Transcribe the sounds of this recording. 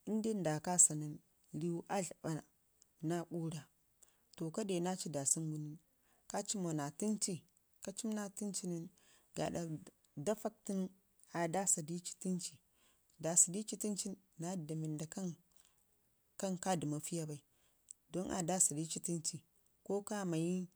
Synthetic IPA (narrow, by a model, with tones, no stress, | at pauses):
i˦n˦di˦nda˨ka˦sa˨ni˦n | li˦u˦ʔa˦ɮɓa˨ | na˦ku˦ɾa˨ | to˨ka˦de˨na˦t͡ʃi˦da˨si˦nɡu˨ni˦n | ka˦t͡ʃi˦mo˨na˨ti˦nt͡ʃi˦ | ka˦t͡ʃi˦mna˦ti˦nt͡ʃi˦ni˦n | ɡa̰˨ɗa˨ | da˦fa˦k̚ti˦n˦ | a˨da˦sa˨di˦t͡ʃi̥˦ti˦nt͡ʃi˨ | da˨sa˨di˦t͡ʃi˦ti˦nt͡ʃi˦n | na˦da˨mi˨nda˨ka˦n | ka˦nka˦di˨ma˨fi˦ja˦ba˨i˨ | do˦nʔa̰˨da˦sa˨di˦t͡ʃi˦ti˦nt͡ʃi˨ | ko˦ka˦ma˨ji˦